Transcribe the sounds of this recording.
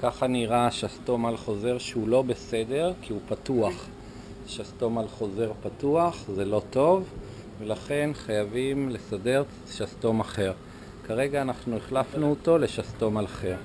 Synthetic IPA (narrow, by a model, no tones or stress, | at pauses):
kaχaniʁaʃast̪o̞malχo̞ze̞ʁʃeulo̞be̞se̞de̞ʁkiupat̪uaχ | ʃast̪o̞malχo̞ze̞ʁpat̪uaχzelo̞t̪o̞v | velaχe̞nχajavimle̞sade̞ʁ | ʃast̪o̞maχe̞ʁ | kaʁe̞ɡaːnaχnueχlafnuot̪o̞le̞ʃast̪o̞malaχe̞ʁ